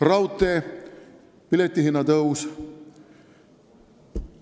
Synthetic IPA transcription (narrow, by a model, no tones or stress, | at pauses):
rɑwt̪ːˑe | pilet̪ʲˑːiɦinːɑt̪ɤws